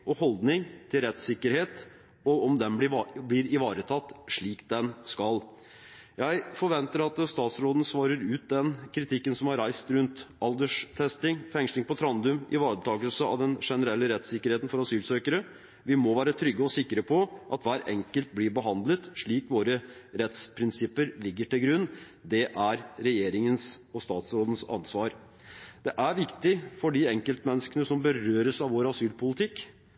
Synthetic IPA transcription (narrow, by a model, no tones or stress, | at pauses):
ʔɔhɔld̪nɪŋt̪ʰɪlɾɛt̪sɪkːəɾheːt̪ | ɔɔmd̪ɛnɪblɪɾɪʋɑːɾət̪ʰɑt̪ːʂɭiːkd̪ɛnskɑl | jæɪfɔɾʋɛnt̪əɾɑt̪st̪ɑːt̪sɾoːd̪n̩sʋɑːɾəɾʉːt̪̚d̪ɛnkʰɾɪt̪ʰɪkːənsɔmhɑɾæɪst̪ɾʉnt̪ʔɑld̪əʂt̪ʰɛst̪ɪŋfɛŋslɪŋpʰɔt̪ʰɾɑnd̪ʉmɪʋɑːɾət̪ʰɑːɡəlsəɑ̰ʋd̪ɛnʂɛnəɾɛlːəɾɛt̪sɪkːəɾheːt̪n̩fɔɾɑsyːlsøːkəɾə | ʋɪmɔʋæːɾət̪ʰɾʏɡːəɔsɪkːɾəpʰɔʔɑt̪ʋæːɾɛ̰ŋkəlt̪̚blɪɾbəɦɑnd̪lət̪ʂɭiːkʋoːɾəɾɛt̪spʰɾɪnsɪpːəɾlɪɡːəʈɪlɡɾʉnː | d̪ɛʔæɾɾɛjeːɾɪŋənsɔst̪ɑːt̪sɾoːd̪ənsɑ̰nsʋɑːɾ | d̪̥ɛʔæɾʋɪkt̪ɪfɔɖɪɛŋkəlt̪mɛnːəskənəsɔmbəɾøːɾəsɑʋoːɾɑsyːlpʰʊlɪt̪ʰɪkː